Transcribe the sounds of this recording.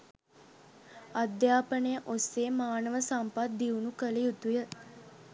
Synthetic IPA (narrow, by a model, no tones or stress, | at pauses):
ad̪jaːpənəjəʔosːeːmaːnəʋəsampat̪̚d̪iunukəlijut̪ujə